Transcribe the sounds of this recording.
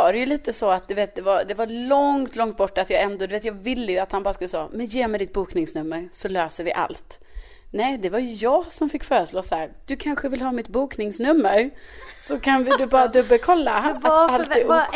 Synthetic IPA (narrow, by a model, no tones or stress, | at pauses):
ɑːɾɛjɵliːt̪əsɔat̪̚d̪ɵveːt̪̚d̪ɛvaɾd̪ɛvalɔŋt̪lɔŋt̪̚bɔʈːat̪jɑːɛnd̪ɔd̪ɵveːt̪jɑːɡvɪlːəjɵat̪hanbɑːɾaskɵlːəsɔ̰ːmɛnjeːmɛjd̪ɪt̪̚buːknɪŋsnɵmːəɾsɔløːsəɾvɪʔa̰lt̪ | nɛːd̪ɛvaɾjɵjɑːɡsɔmfɪkːfœːɾəʂloːshæːɾd̪̥ɵkʰanɧəvɪlɦɑːmɪt̪buːknɪŋsnɵmːəɾsɔkʰanvɪd̪ɵbɑːɾad̪ɵbːəlkʰɔlːaaalt̪ɛ